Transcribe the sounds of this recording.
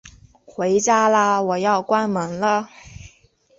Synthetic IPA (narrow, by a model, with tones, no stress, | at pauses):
xwe˧˥ɪt͡ɕja˥lə˨˧wɔ˨˩jɑ˥˩ʊkwa˥nmɤ˧˥ŋlə˧